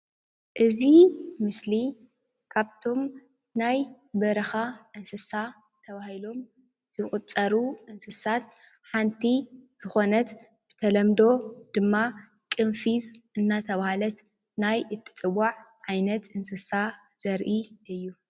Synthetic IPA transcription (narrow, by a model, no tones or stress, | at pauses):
ʔɨzimɨsli | kʰaβt̪ʰo̞m | naj | bɐɾɐxaʔɨnsɨsa | t̪ʰɐβahilo̞m | z̥ɨχʼut͡sʼːɐɾuʔɨnsɨsat̪̚ | ħant̪ʰiz̥ɨxo̞nɐt̪ | b̥ɨ̥t̪ʰɐlɐmd̪o̞d̪̥ɨmːa | kʼɨnfizʔɨnːat̪ʰɐβahalɐt̪ | najɨt̪ʰːɨ̥t͡sʼɨwaʕʕajnɐt̪ɨnsɨsa | z̥ɐɾʔiʔɨjːu